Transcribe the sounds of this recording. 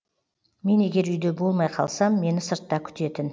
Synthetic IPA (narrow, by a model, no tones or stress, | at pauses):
me̞ne̞ɡʲe̞ɾʏjd̪e̞bo̞lˠmɑjqʰɑ̰lˠsɑmːe̞nɪsəɾt̪ːɑkʲʰʏ̥t̪e̞t̪ɪn